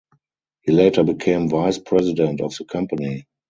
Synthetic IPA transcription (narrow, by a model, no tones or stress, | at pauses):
hiːleɪtə˞bikʰẽɪ̃mvaɪspʰɹɛzɪdɛ̃ntɔfðəkʰãmpəni